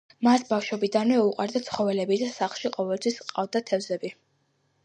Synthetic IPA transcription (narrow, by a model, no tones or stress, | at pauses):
masbafʃɛbid̪anmɛuqʼaɾd̪at̪sʰχɔvɛlɛbid̪asaχlˠʃiqʼɔvɛlt̪ʰwisqʼavd̪at̪ʰɛvzɛbi